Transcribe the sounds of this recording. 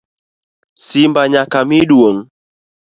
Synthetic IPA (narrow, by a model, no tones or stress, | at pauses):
simbaɲakamiɗuoŋ